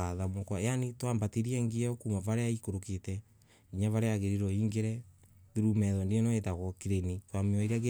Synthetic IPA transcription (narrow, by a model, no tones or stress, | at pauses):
aðamɔkwajanitwaːmbateɾiɛŋɡeɛokumavaɾeaikoɾoketɛ | iɲavaɾeaɣeɾiɾɔiːŋɡeɾɛ | ðiɾumɛðɔndeenɔetaɣɔkiɾenitwamiɔiɾɛɣe